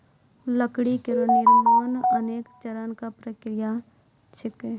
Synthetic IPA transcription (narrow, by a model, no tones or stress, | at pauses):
ləkɽikɪɾəniɾmonɐneːkt͡ʃɐɾənkapɾəkɾɪja | t͡ʃʰɪke